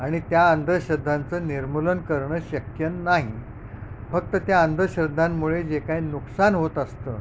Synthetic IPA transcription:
aɽ̃it̪jaənd̪ʱəɕəd̪ʱːant͡səniɾmulənkəɾɳəɕəkjənaɦi | fək̚t̪ət̪jaənd̪ʱəɕɾəd̪ʱːamːuɭed͡ʑekajnuksanɦot̪əst̪ə̰

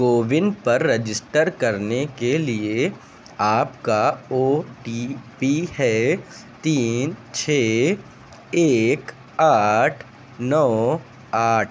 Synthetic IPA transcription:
ɡoːʋɪnpɐɾːed͡ʒɪsʈəɾkɐɾnekelie | aːpkaoːʈipiɦɛː | t̪iːnt͡ʃʰeː | eːk | aːʈʰ | nɔː | aːʈ̚ʰ

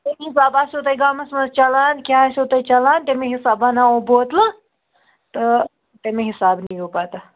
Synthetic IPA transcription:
t̪emĩɦisaːbaːsot̪ɐjɡamɐsmɐzt͡ʃɐlaːnkʲaasot̪ɐit͡ʃɐlaːnt̪emiɦisaːbanaoboːt̪la | t̪ə | t̪emeɦisaːbnijopat̪a

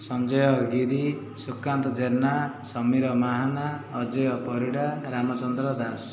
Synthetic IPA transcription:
sʌnd͡ʒɔjʌɡiɾi | sukːant̪ɔd͡ʒenːasʌmiɾʌmaɦanaːd͡ʒɔjɔpɔɾiɽaɾamɔt͡ʃɔnd̪ɾɔd̪as

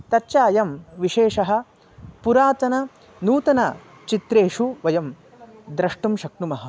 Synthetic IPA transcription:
t̪ɐtːʃaːjɐmʋiʃeːʂɐɦɐ̆ | puɾaːt̪ɐnɐ | nuːt̪ɐnɐ | t͡ʃit̪ɾeːʂuʋɐjɐm | d̪ɾɐʂʈumʃɐk̚numɐɦɐ̆

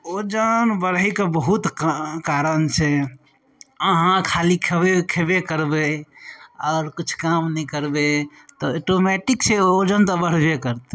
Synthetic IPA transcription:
od͡ʒənbəɾəikebəɦut̪kaɾənt͡ʃʰe | əɦãkʰalikʰebekʰebekəɾbe | ɔːɾkit͡ʃʰkamnɛikəɾbe | t̪ɔoʈomɛʈiksʰeod͡ʒənt̪ɔbəɽ̤bekəɾt̪

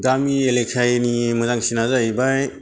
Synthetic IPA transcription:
ɡamielek̚sajnimɯzaŋsinazajbaj

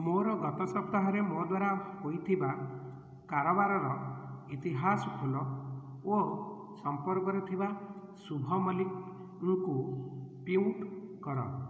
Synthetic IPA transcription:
moɾɔɡɔt̪ɔsɔp̚t̪aɦɔɾemod̪waɾahojt̪ʰiba | kaɾɔbaɾɔɾɔit̪iɦasɔkʰulɔ | o | sɔmpɔɾkɔɾɔt̪ʰiba | subʱɔmɔlik | ŋkupiwʈkɔɾɔ̰

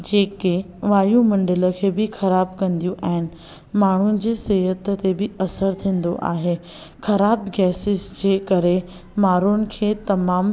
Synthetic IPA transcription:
d͡ʑeːke | ʋaːjũmɐ̃ɳɖɪlə̆kʰeːbɪxɐɾaːbkɐ̃nd̪ijũʔɐ̃ɦɪnɪ̆ | maːɳ̤unɪ̆d͡ʑeːsɪɦət̪t̪ebɪɐsəɾt̪ʰĩːn̆d̪o̰ʔa̰ːɦe | xɐɾaːbɡɛːsɪsd͡ʑeːkɐɾe | maːɾunɪ̆kʰeːt̪ɐmaːm

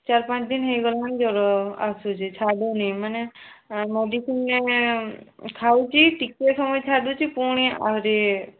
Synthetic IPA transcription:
t͡ʃaɾpãt͡ʃd̪inɦejɡɔland͡ʒɔɾɔasut͡ʃʰit͡ʃʰaɖunijmanemeɖisinːe | kʰaut͡ʃʰiʈikesɔmɔjt͡ʃʰaɖut͡ʃʰipuɽ̃ia̰ɾe

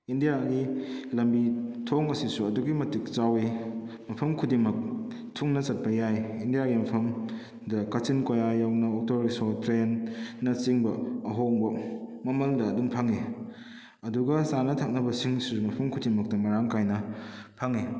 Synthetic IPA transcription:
indijaɡilɐmbitʰoŋɐsisuɐduɡimɐtik̚t͡ʃawi | mɐpʰɐmkʰudimɐk̚ | tʰuŋnɐt͡ʃɐt̚pɐjajindijaɡimɐpʰɐm | dɐkɐt͡ʃinkojajawnɐok̚toɾisotɾenːɐt͡ʃiŋbɐɐɦoŋbɐmɐmɐldɐːdumpʰɐŋi | ɐduɡɐsanɐtʰak̚nɐbɐsiŋsiɾumɐpʰɐmkʰudimɐk̚tɐmɐɾaŋkajnɐpʰɐŋi

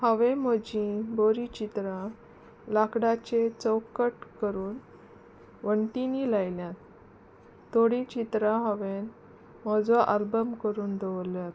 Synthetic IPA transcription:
həʋemɔd͡ʑĩboɾit͡ɕit̪ɾã | lakɽat͡ɕet͡səwkəʈkəɾuːn | ʋəɳʈiniːlajljat̪̚ | t̪ːoɽĩt͡ɕit̪ɾãɦəʋen | mɔd͡zʋaʔalbəmkəɾuːnd̪eʋəljat̪

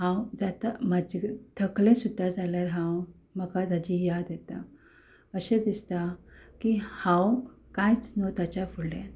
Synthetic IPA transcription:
ɦãwd͡zat̪amad͡ʑet̪ʰəklẽsud̪ʱːad͡zaljaɾɦãw | məkad͡z̪ad͡ʑijad̪jɛt̪a | əɕẽd̪ist̪akihãwkãjt͡snot̪at͡ɕafuɽɖẽ

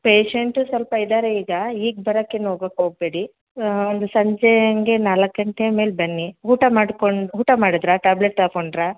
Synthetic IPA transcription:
peːʂeɳʈusʋɐlpɐid̪aːɾeiːɡɐiːɡ̚bɐɾɐkːenːɦoːɡoːkoːɡ̚be̞ːɽi | ond̪usɐɲd͡ʒɛjɐŋɡe̞naːlɐkːɐɳʈeme̞ːlbɐnːiɦuːʈɐmaːɽkoɳɦuːʈɐmaːɽid̪ɾaʈaːbleʈt̪aːkoɳɖɾa

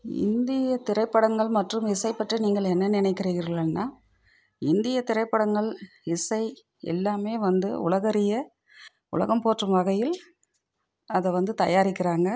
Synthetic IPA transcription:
ɪ̰nd̪ɪjɐt̪ɪɾɐɪpːɐɽɐŋɡɐɭmɐʈrɯmɪsɐɪpːɐʈrɯniːŋɡɐɭɛnːɐnɪnɐɪkːɪriːɣɪɾɣɭɐnːaː | ɪnd̪ɪjɐt̪ɪɾɐɪpːɐɽɐŋɡɐɭ | ɪsɐɪ | ɛ̰lːaːmeːʋɐnd̪ɯʊ̰ɭɐɣɐɾɪjɐ | ʊ̰lɐ̰ɣɐmpoːʈrɯmʋɐɣɐjɪl | ɐðɐʋɐnd̪ɯt̪ɐ̰jaːɾɪkːɪɾaːŋɡɐ

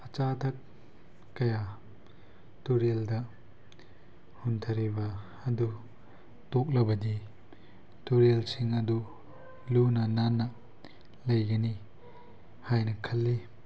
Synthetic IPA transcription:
ɐt͡ʃatʰɐk̚ː | ɐja | tuɾeldɐ | huntʰɐɾibɐː | du | tɔk̚lɐbɐdi | tuɾelsiŋɐdu | lunɐnanːɐ | lɐjɡɐni | hajnɐkʰɐlːi

